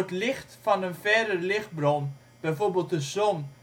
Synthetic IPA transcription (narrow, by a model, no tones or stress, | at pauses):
ətlɪxtfɑnənfɛdərlɪxt̚brɔn | b̥ɛjforbelˠtdəsɔn